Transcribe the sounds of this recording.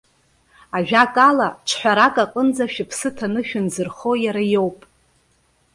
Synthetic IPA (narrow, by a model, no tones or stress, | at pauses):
aʒᶣakʼalaʈ͡ʂʰħʷᶣaɾakʼaqʼənd͡zaʃᶣɪpʰsɨtʰanɨʃᶣʊnzɨrχojaɾajo̞wpʼ